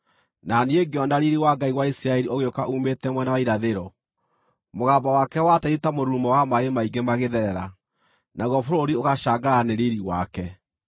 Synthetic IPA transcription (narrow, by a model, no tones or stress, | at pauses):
nanieɡjɔndaɾiɾiwaɡaiwaisiɾaɛɾiʔoɣeokaʔumetɛmwɛnawaiɾaðeɾɔ | moɣaːbawakɛwatɛɾitamoɾuːmɔwamaemaiŋɡemaɣeðɛɾɛɾa | naɣɔfoɾoɾioɣaʃaːɡaɾaneɾiɾiwakɛ